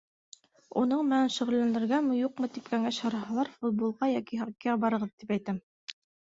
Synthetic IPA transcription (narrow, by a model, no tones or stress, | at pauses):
ṵnɤɴmɘ̆nænʃɵ̆ʁɘ̆lːænd̪ɘ̆ɾɡæmɤ̆juq̚mɤt̪ipkæŋæɕhɑɾɑɦɑlˠɑɾfut̪̚bolˠʁɑjɑkiɦɑkːæbɑɾɤ̆ʁɤðt̪ipæjt̪ɘm